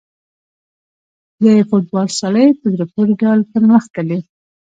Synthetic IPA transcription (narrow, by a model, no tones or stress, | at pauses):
d̪əfoʈ̚bɑlsɑləjpəd̪ɾepoɾiɖɑlp̪əɾməxt̪ali